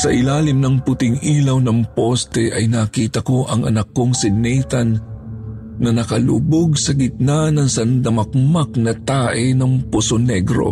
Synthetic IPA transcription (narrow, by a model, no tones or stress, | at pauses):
sɐʔɪlaːlɪmnɐŋpʊt̪ɪŋʔiːlɐwnɐŋpo̞st̪ɛʔɐjnakiːt̪ɐko̞ʔɐŋɐ̰nɐkːoŋsɪnɛjt̪ɐnː | ɐnɐkɐlṵːboɡsɐɡɪt̪̚nanɐŋsɐnd̪ɐmɐk̚mak̚nɐt̪aːʔɛnɐŋpʊsonɛɡɾo̞̰